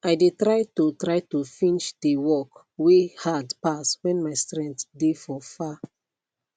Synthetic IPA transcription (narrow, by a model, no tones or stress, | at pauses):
aɪdetɹaɪtutɹaɪtufĩnt͡ʃdewɔk | wehadpaswɛ̃nmaɪstɹɛ̃ntdefɔfa